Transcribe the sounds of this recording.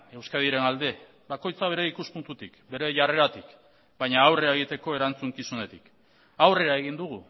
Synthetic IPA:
e̞wskaðiɾe̞nald̪e̞ | bako̞jt͡saβ̞e̞ɾe̞ikuspunt̪ut̪ikbe̞ɾe̞ʝare̞ɾat̪ik | bajɲaːwreaeɣ̞it̪e̞ko̞e̞ɾant͡suŋkisune̞t̪ik | awre̞ɾae̞ɣ̞ind̪uɣ̞u

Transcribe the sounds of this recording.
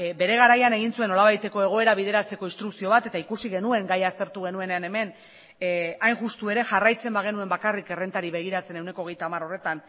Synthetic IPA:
be̞ɾe̞ɣ̞aɾajane̞ɣ̞insue̞nːo̞laβajt̪eko̞e̞ɣ̞o̞e̞ɾaβið̞e̞ɾat͡se̞ko̞inst̪ɾuksio̞β̞at̪e̞t̪aikusiɣe̞nue̞ŋɡajast̪e̞ɾt̪uɣ̞e̞nue̞ne̞ane̞me̞n | ajnʝust̪ue̞ɾe̞ʝarajt͡se̞mbaɣ̞e̞nue̞mbakarike̞re̞nt̪aɾiβe̞ɣ̞iɾat͡se̞ne̞wne̞ko̞ːɣe̞jt̪aːmaɾo̞re̞t̪an

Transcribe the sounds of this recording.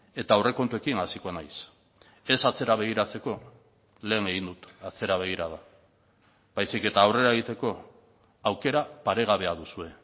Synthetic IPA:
e̞t̪aowre̞ko̞nt̪ue̞kiŋasikoanajs | e̞sat͡se̞ɾaβ̞e̞ɣ̞iɾat͡se̞ko̞ | le̞ːŋe̞ɣind̪ut̪at͡se̞ɾaβ̞e̞ɣ̞iɾað̞a | bajsike̞t̪aːwre̞ɾaeɣit̪e̞ko̞ | awke̞ɾapaɾe̞ɣ̞aβe̞aðusue̞

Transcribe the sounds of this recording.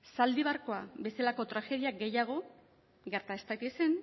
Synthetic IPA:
sald̪iβaɾko̞abe̞salako̞t̪ɾaxe̞ð̞iaɡe̞jaɣ̞o̞ | ɡe̞ɾt̪ae̞st̪akise̞n

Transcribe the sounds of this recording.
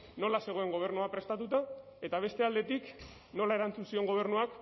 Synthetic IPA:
no̞lase̞ɣ̞o̞e̞ŋɡo̞β̞e̞ɾnuapɾe̞st̪at̪ut̪a | et̪aβ̞e̞st̪e̞ald̪e̞t̪ik | no̞lae̞ɾant͡sunsio̞ŋɡo̞β̞e̞ɾnuak

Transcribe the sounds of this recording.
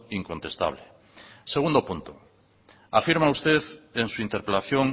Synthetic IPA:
iŋkont̪est̪a̰β̞le | seɣund̪opunt̪o | afiɾmaust̪eðeŋsuint̪eɾpelaθjoŋ

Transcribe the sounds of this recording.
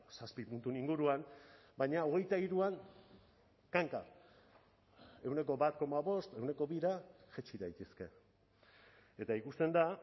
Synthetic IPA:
saspipunt̪uniŋɡuɾuam | bajɲao̞ɣ̞e̞jt̪aiɾuaŋ | kaŋka | e̞wne̞k̬o̞βat̪̚ko̞maβo̞st̪e̞wne̞ko̞βiɾaʝet͡ʃiðajt̪eske̞ | e̞t̪aikust̪e̞nd̪a

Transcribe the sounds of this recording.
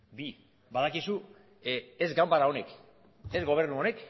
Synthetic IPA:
bi | baðakisu | ezɡambaɾao̞ne̞k | ezɣo̞β̞e̞ɾnuo̞ne̞k

